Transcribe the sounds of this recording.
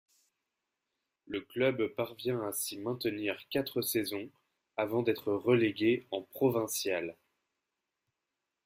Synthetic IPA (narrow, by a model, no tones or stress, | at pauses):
ləklœbpaʁvjɛ̃asimɛ̃t̪əniʁkat̪χəsɛzɔ̃ | avɑ̃d̪ɛt̪χəʁəleɡʲeɑ̃pχɔvɛ̃sjal